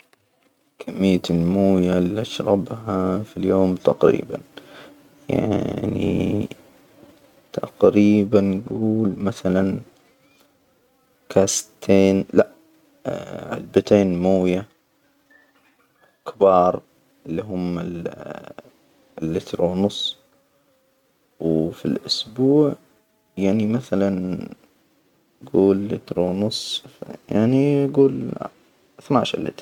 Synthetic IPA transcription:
kʰamːɪjːat̪lmuːjaliʔaʃɾˤɑbɦafiljoːmt̪aqɾḭːba̰n | ja̰ʕʕnḭ | t̪ʰa̰qɾiːbanːɡuːlmaθalan | kʰast̪ʰeːnlaʔ | ʕa̰lbat̪eːnmuːja | kbɑːɾˤ | ɪlːiɦʊmɪl | lːɪt̪ɾunʊsˤ | wfilʔʊsbuːʕ | jaʕnimaθalan | ɡuːlːɪt̪ɾunʊsˤjaʕniɡuːl | θnaːʃalɪ̰t̪ː

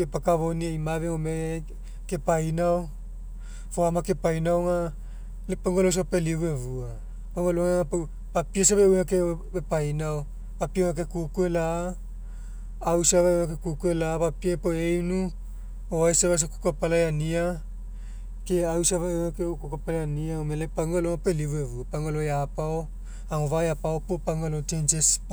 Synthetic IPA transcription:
epakaβoniajmaveŋome | kepajnao | foamake̞pajnawŋa | lepaŋɡolows̬apelivuevua | paŋɡoloŋeŋapow | papias̬aβeunakebepajnaw | papiewŋakekukuelaː | wsaβaakekukuelapapiepoejnu | oajseβas̬oku̥kuapalajania | keawsaβaakeukukuapalajaniaomelepaŋɡoloŋapelivuevuapaŋɡolojapao | aŋovajapawpopaŋolot͡ʃent͡ʃes

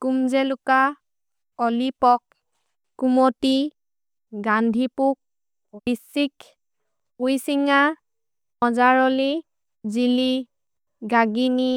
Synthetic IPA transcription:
kumzɛlʊka | ɔlipɔk̚ː | umɔti | ɡandʱipuk̚ | bisik | ujsiŋa | ɔzaɹɔli | zili | ɡaɡini

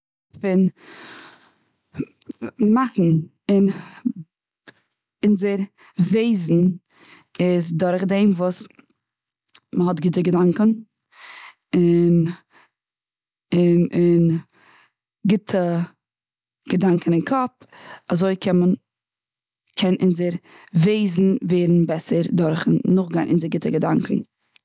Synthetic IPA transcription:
fɪn | maχn̩ | ɪn | ɪnzeɾ | veɪzn̩ | ɪzdʊɾχdeɪmvuːs | məɦɔtɡɪtəɡədaŋkən̩ | ɪn | ɪnɪn | ɡɪtʰə | ɡ̥ədaŋkn̩ɪnkʰɔp | azoɪkʰɛnmən | kʰɛnʔɪnzəɾ | veɪzn̩veːɾn̩bɛsəɾdɔɾχn̩nʊχɡaɪnʔɪnzəɾɡɪtəɡədaŋkn̩

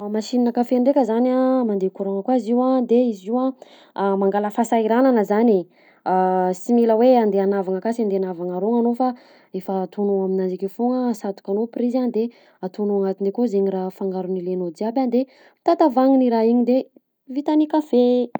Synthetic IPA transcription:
maʃininəkafeɳɖ͡ʐekʲəzanamand̪ekuɾaŋəkwaziwad̪eiziwa | maŋɡaləfasaiɾananəzani | similəweand̪eanavaŋakasiand̪eanavaŋaɾoŋanofa | efaːt̪unuaminand͡ʒikifuŋəsat̪u̥kanoprizand̪e | at̪unuaŋat̪ind̪ekozeɲirafaŋɡaɾunilenod̪iaband̪e | t̪at̪avaŋiniɾaiɲid̪e | vit̪anikafe

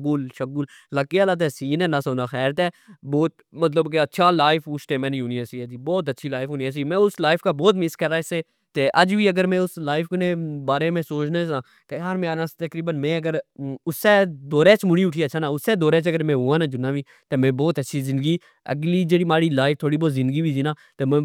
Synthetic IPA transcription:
kuːlʃəkʊlːəkːiaːlaːt̪̬ɛːsiːnɛ̃ːnaːsoːnaːxɛːɾt̪ɛːbɔːt̪̚ | mət̪ləbkeətːʃʰaːlaːɪfʊt͡ʃʈ̪ẽːmɛ̃ːnĩuːniasiɛːd͡ʒiːbɔːt̪̬ətːʃʰiːlaːɪfõːniaːs̬iːmɛ̃ːʊslaːɪfkaːbɔːt̪̬mɪskəɾaːɪsːeː | t̪eːʔəd͡ʒʋiːəɡəɾmɛ̃ːʊslaːɪfknẽːbaːɾeːmẽːsoːt͡ʃneːsãː | t̪eaːɾmẽaːnãːst̪əkɾiːbənmɛ̃ːəɡəɾʊsːeːd̪oːɾeːt͡ʃmʊɽiːʊʈʰiːət͡ʃʰʃʰaːnãːʊsːeːd̪oːɾeːt͡ʃəɡəɾmɛ̃ːɦuːãːnaːd͡ʒʊnːaːʋiː | t̪eːmɛ̃ːbɔːt̪ətːʃʰiːzɪ̃nd̪əɡiː | ə̰ɡliːd͡ʒeːɽiːmaːɽiːlaːɪft̪ʰoːɽiːbɔːt̪zɪ̃nd̪ɡiːbiːd͡ʒinaː | t̪eːmɛ̃ː

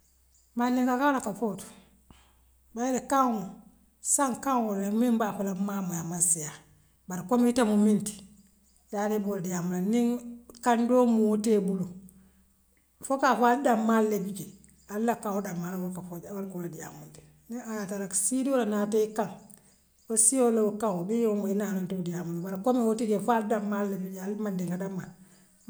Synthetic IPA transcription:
manːiŋkakaɾakafotu̥ | bajlekaŋo | saŋkaŋwoɾemimbakulamamajamasija | baɾkomitamuminti̥ | jadeboɾadijamulaniŋkandomuwtebulu | fokafaldamːalːebid͡ʒe | alːakawodamːalbokafod͡ʒwalkoladija̰munti̥ | niajataɾaksidiwoɾanateikan | wosijolowokawomijomuinanontodijamunabaɾkomiwotiɡefaldamːalːebialmadiŋkadamːa

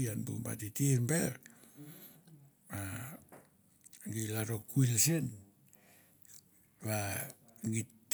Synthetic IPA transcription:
anbṵmba̰titirmbeɾ | βa | ɡilaɾokuilsen | βa | ɡit

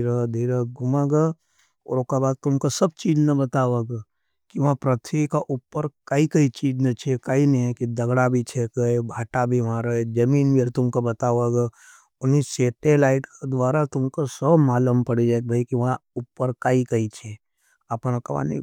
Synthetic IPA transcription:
iɾəd̪ʱiːɾəɡʊmaɡa | ɔ̰ːɾokabaːd̪̚t̪ʊmkosɐb̚t͡ʃiːd͡ʒnɐbɐt̪aːʋaɡa | kiʋɐɦãpɾɐt̪ʰʋikaʔupːəɾkɐikɐit͡ʃiːd͡ʒnɐt͡ʃʰekainɐɦĩɛkid̪ɐɡɽabʱit͡ʃʰekɐebʱaːʈabʱiʋãɾəed͡ʒɐmiːnbiɾt̪ʊmkobɐt̪aːʋaɡa | ʊniseːʈelaːɪʈked̪ʋaːɾat̪ʊmkosəbmaːləmpɐɽid͡ʒaːek̚bʱaikiʋɐɦãupːəɾkaikɐit͡ʃʰe | ɐpñakɐʋa̰ːnḭ

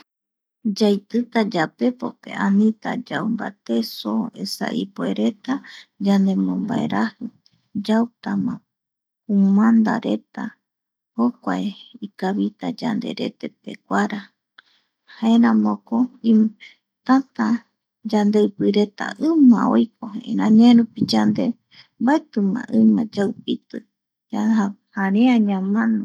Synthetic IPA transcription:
d͡ʒajt̪ɨt̪ad͡ʒape̞pope̞̰ʔanĩt̪a̰d͡ʒawmba̰t̪e̞soe̞̰sa̰ʔipoeɾe̞t̪ad͡ʒand̪emõmba̰ḛɾʔahɨ | d͡ʒawt̪amã | umãnd̪a̰ɾe̞t̪a | hokʷaeikaβit̪ad͡ʒa̰nd̪e̞̰ɾe̞̰t̪e̞pḛkʷaɾa | haeɾãmõkoi | t̪at̪a | d͡ʒand̪eɨpɨɾe̞t̪a̰ʔɨ̃mão̰jk̚oḛ̃ɾãɲãẽɾupid͡ʒand̪e | mbaet̪ɨmã̰ʔɨ̃mãd͡ʒawpit̪ɨ | aahaɾeãɲãmãnõ

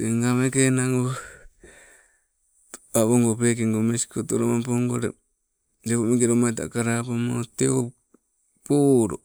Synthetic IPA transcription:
eŋɡamekenaŋɡo | aβoŋɡopekeŋɡomesi̥kotoɾomampoŋɡoɾḛ | d͡ʒekomiŋɡeɾomata̰kaɾapomoteo | poɾo

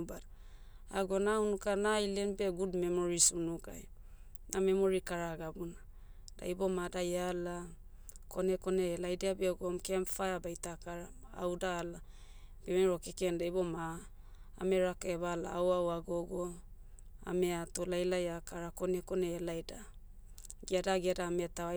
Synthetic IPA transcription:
bada | a̰ɡo̞naunukanailenbeɡudmemoɾisunuka̰j | name̞mo̞ɾikaɾaɡabuna | d̥a̰jbo̞madajala | kʰo̞neko̞neːlajdeabeɡomkeamfajabajtakaɾaa̰wdaːla | b̥emeɾo̞kekendajboma̰ː | meɾakeβala̰ːwawaɡoɡo | a̰meatolajlajakaɾako̞neko̞neːlajda | ɡeadaɡeadaːmetawa

